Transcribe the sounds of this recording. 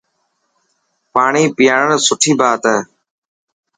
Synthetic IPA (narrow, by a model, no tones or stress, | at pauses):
paːɳiːpɪjaːɳəɳsʊʈʰiːbaːt̪ɛː